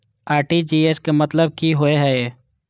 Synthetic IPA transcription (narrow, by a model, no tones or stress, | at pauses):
aːɾʈid͡ʒiːeːskemɐt̪ləb̚kiɦoeɦɛ